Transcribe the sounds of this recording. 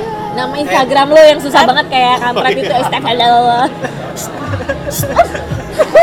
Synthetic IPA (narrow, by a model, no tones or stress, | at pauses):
namainst̪aɡɾamlojaŋs̬us̬ahbaŋət̪̚kajakamɾak̪it̪uast̪ak̚dadallo